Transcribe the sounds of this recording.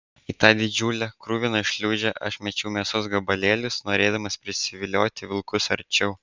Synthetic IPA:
it̪ɑːd̪ʲɪd͡ʒʲuːlʲɛkɾuːʋʲɪnɐɪʃʲlʲuːd͡ʒʲɛʔɐ̰ʃmʲɛt͡ʃʲɛʊmʲeɛsʊsɡɐbɐlʲeːlʲʊsnoːɾʲeːd̪ɐmɐspʲɾʲɪsʲɪʋʲɪlʲoːt̪ʲɪʋʲɪlˠkʊsɐɾʲt͡ʃʲɛʊ

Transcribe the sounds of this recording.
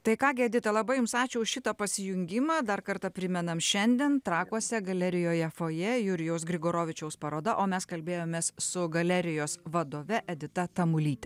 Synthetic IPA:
t̪ɐɪkɑːɡʲɪɐd̪ʲɪt̪ɐlˠɐbɐɪjʊmsɑːt͡ʃʲɛʊʃʲɪt̪ɐpɐsʲɪjʊŋʲɡʲɪmɑːd̪ɐrkɐɾt̪ɐpʲɾʲɪmʲɛnɐmʃʲɛnʲd̪ʲeɛnt̪ɾɑːkuɔsʲɛɡɐlʲæɾʲɪjoːjɛfoːjɛjʊɾʲɪjɛʊs̬ɡɾʲɪɡoːɾoːʋʲɪt͡ʃʲɛʊspɐɾoːd̪ɐʔoːmʲɛskɐlʲbʲeːjoːmʲeːssʊɡɐlʲæɾʲɪjoːsʋɐd̪oːʋʲɛʔɛd̪ʲɪt̪ɐt̪ɐmʊlʲiːt̪ʲɛ

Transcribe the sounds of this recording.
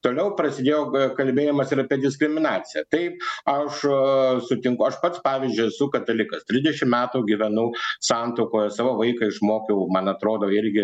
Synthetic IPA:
t̪oːlʲɛʊpɾɐsʲɪd̪ʲeːjoːkɐlʲbʲeːjɛmɐsɪɾɐpʲiɛd̪ʲɪskɾʲɪmʲɪnɑːt͡s̪ʲɪjɛt̪ɐɪp̚ɐʃsʊt̪ʲɪŋkʊɐʃpɐt̪spɑːʋʲizʲd͡ʒʲʊɛsʊkɐt̪ɐlʲɪkɐst̪ʲɾʲɪzdʲɛʃʲɪmmʲæːt̪uːɡʲɪʋʲɛnʊsɑnt̪ɐʊkoːjɛsɑːʋoːʋɐɪkɐɪʃmoːkʲɛʊmɐnɐt̪ɾoːd̪oːɪɾʲɡʲɪ

